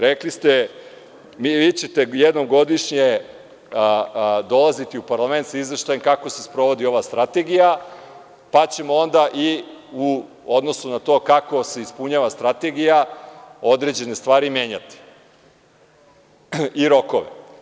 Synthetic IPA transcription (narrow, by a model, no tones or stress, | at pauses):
ɾeklist̪e | miʋiːt͡ɕet̪ejed̪no̞mɡo̞d̪iʃɲe | d̪o̞lˠazit̪iupaɾlˠame̞nt̪saizʋeʃt̪ajemkakose̞spɾo̞ʋo̞d̪io̞ʋast̪ɾat̪e̞ɡija | pat͡ɕe̞mo̞o̞nd̪aʔiu | o̞d̪no̞sunat̪o̞kako̞se̞ispuɲaːʋast̪ɾat̪e̞ɡijao̞d̪ɾe̞d͡ʑe̞ne̞st̪ʋaːɾimʲje̞ːɲat̪i̥ | iɾo̞ko̞ʋḛ